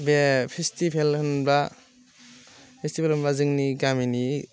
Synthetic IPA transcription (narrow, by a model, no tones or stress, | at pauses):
bepʰestipʰelhʰɯnba | pʰestipʰelhɯnbazɯŋniɡamini